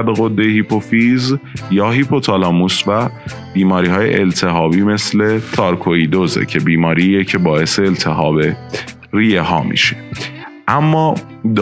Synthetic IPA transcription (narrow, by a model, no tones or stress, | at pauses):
d̪ɣod̪ːehipʰofizjɒːɦipʰot̪ʰɒlɒːmusvæ | b̥iːmɒːɾiːɦɒːje̞̰ʔelt̪ʰe̞ɦɒːbiːme̞sle̞t̪ʰɒːɾkʰoid̪ozḛcʰe̞biːmɒːɾiːecʰe̞bɒːe̞se̞ːlt̪ʰe̞ɦɒːbe̞ | rijehɒːmḭʃe̥ʔæmːɒː | d̪